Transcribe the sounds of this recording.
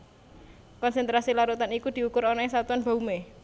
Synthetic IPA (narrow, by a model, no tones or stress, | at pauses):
kɔnsɛnt̪ɾasilaɾut̪anikud̪̥i̤ukʊɾɔnɔes̬at̪uanb̥a̤ume